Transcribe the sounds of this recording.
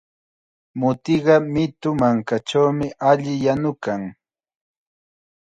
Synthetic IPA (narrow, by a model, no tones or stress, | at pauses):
mʊt̪ɪɢɑmɪt̪ʊmaŋkat͡ʃawmɪʔaʎɪjanʊkaŋ